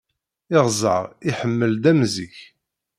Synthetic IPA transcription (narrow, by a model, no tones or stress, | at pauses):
ɪʁzˤə̰ʁɪħəmːəld̪æmziç